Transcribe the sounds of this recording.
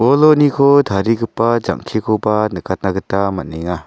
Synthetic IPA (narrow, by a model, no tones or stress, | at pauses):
ɔlɔnikʰɔdʰʱaɾiɡɯpːad͡ʒa̰ŋkʰikʰɔbanəkʰat̚naɡɯtamanɛŋa